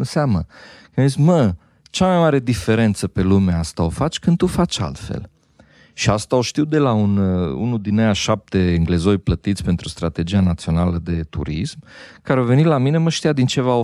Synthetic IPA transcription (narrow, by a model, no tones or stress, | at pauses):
seamnəkəmzismə | t͡ʃamajmaɾe̞d̪ife̞ɾe̞nt̪səpe̞lumeast̪ao̞fat͡ʃʲkɨnd̪̚t̪ufat͡ʃʲa̰lt̪fḛl | ʃiast̪ao̞ʃt̪iwd̪e̞launṵnud̪inːejaʃap̚t̪e̞ːŋɡle̞zo̞jplət̪it̪sʲpe̞nt̪ɾust̪ɾat̪e̞d͡ʒianat̪sio̞naləd̪e̞t̪ṵɾismkaɾeave̞nilamine̞məʃt̪ijad̪int͡ʃe̞vao